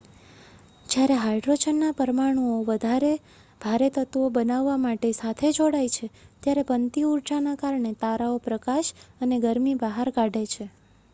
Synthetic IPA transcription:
d͡ʒjaɾeɦajɖɾod͡ʒənːapəɾmaɽ̃uoʋəd̪ʱaɾe | bʱaɾet̪ət̪obənaʋːamaʈesat̪ʰed͡ʒoɽajt͡ʃʰet̪jaɾepənt̪iuɾd͡ʒanakaɾɳet̪aɾaopɾəkaʃəneɡəɾmibaɦaɾkaɖʱet͡ʃʰe

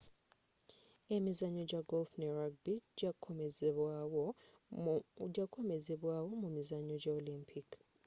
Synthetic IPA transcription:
emizaɲod͡ʒaɡolfneraɡ̚biɟ | d͡ʒakʰomezeβwawomumizaɲod͡ʒaolĩmpʰik

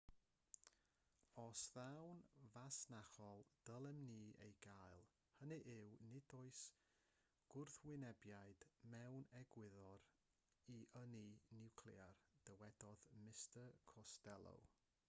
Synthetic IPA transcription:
ɔsðawnvasnaχɔlˠd̥əlˠɛmniːḛjɡaɨlˠ | hənɨʔɪwnɪdoɨs | ɡ̥ʊrθwɪnɛbjaɨd̥mɛwnɛɡwɪðɔɾ | iʔəninɪwkʰliard̥əwɛd̥ɔðmɪstəkʰɔstɛlˠo̰w

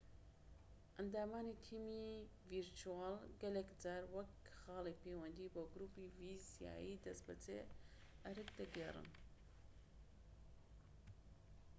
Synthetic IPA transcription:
ʔɐnd̪aːmaːnit̪ʰiːmi | viɾt͡ʃuaːlɡɐlekd͡zaːɾwɐkxaːlepeːwɐnd̪iːboɡɾuːpivizja̰ːjid̪ɐsbɐt͡sḛ | ʔɐɾɨk̚d̪ɐɡerɨ̰n

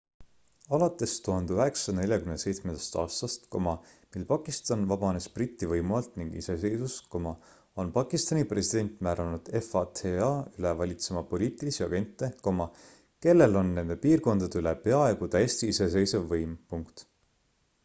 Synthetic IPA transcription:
ɑlɑt̪ːˑe̞st̪uhɑnd̪eyɦe̞ksɑ̥ne̞lʲjɑkymnese̞jt̪smend̪̥ɑ̥st̪ɑ̰ːst̪ɑst̪ko̞mɑmilpɑkˑist̪ɑnvɑb̥ɑne̞sprit̪ːˑivɤjmuɑlt̪niŋɡ̥ḭse̞se̞jsusko̞mɑ | o̞npɑkˑist̪ɑnipre̞sid̪̥e̞nt̪ˑmæːɾɑnud̪̥e̞fɑt̪ʰeɑylevɑlʲit̪se̞mɑpo̞lʲiːt̪ːˑilisiɑ̰ɡ̥e̞nt̪ːe̞ko̞mɑ | ke̞lːe̞lo̞nːe̞nd̪e̞piːrko̞nd̪̥ɑd̪eylepe̞ɑe̞ɡ̥ut̪æjest̪iise̞s̬e̞jsevːɤjmpuŋkt̪

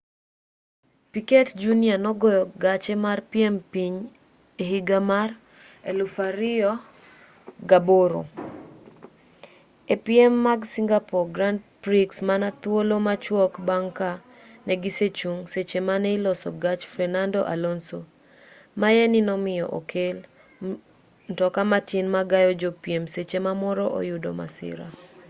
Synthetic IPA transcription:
piketd͡ʒunianɔɡɔjɔɡat͡ʃɛmarpiɛmpiɲ | eɦiɡamar | elufaɾɪɔ | ɡaboɾo̰ | epiɛmːaɡsiŋɡapɔɡɾandpɾiksmanat̪wolomat͡ʃwɔkbaŋka | nɛɡiset͡ʃuŋset͡ʃemanɛilɔsɔɡat͡ʃfɾɛnandɔʔa̰lɔnso | majɛnɪnɔmɪjɔ̰ʔo̰kʰel | ntɔkamatinmaɡajɔd͡ʒopiemset͡ʃemamɔɾɔʔo̰jʊdo̰ma̰sɪ̰ɾa̰

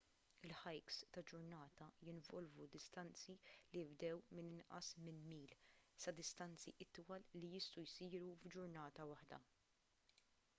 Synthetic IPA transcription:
ɪlħɐjkst̪ɐd͡ʒʊɾnɐːt̪ɐjɪnvɔlvud̪ɪst̪ɐnt͡siliɪbd̪ɛwmɪnɪnʔɐ̰smɪnmiːlsɐd̪ɪst̪ɐnt͡siʔɪt̪ːwɐlːijɪst̪ujsiːɾuvd͡ʒʊɾnɐːt̪ɐwɐħd̪ɐ̰

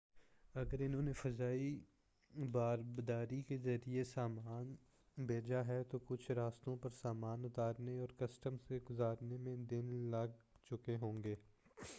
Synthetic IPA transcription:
ɐɡəɾɪnɦõːnefɐzaːi | baːɾbd̪aːɾikezɐɾiesaːmaːn | bʱeːd͡ʒaɦɛt̪okʊt͡ʃʰɾaːst̪õpɐɾsaːmaːnʊt̪aːɾneɔːɾkɐsʈəmseɡʊzaːɾnemẽd̪ɪnlɐɡ̚ | t͡ʃʊkeɦõːŋɡeː

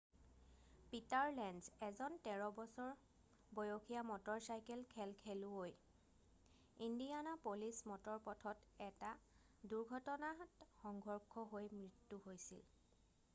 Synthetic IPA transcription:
pitaɹlɛnzɛzɔntɛɹɔbɔsɔɹ | bɔjokʰijamɔtɔɹsajkɛlkʰɛlkʰeluoj | indianapolismɔtɔɹpɔtʰɔtɛta | duɹɡʱɔtɔnatxɔŋɡʱɔɹkʰɔɦojmɹitːuɦojsḭl

